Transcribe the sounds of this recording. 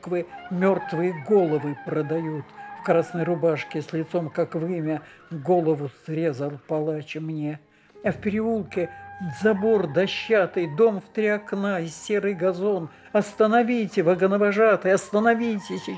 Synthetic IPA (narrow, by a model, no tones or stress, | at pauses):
kvɨmʲo̞rt̪vɨjəɡo̞lˠəvɨpɾəd̪ɐjut̪fkɾasnəjrʊbaʂkʲɪsʲlʲɪt̪so̞mkakvɨmʲəvɡo̞lˠəvʊsɾʲezəlˠpɐlˠat͡ɕɪmnʲe | ɐfpʲɪɾʲɪulˠkʲɪzɐbo̞rd̪ɐɕːat̪ɨjd̪o̞mft̪ɾʲiɐknaɪsʲːe̞ɾɨjɡɐzo̞n | ɐst̪ənɐvʲijtʲɪvəɡənəvɐʐat̪ɨjɐst̪ənɐvʲijtʲɪsʲ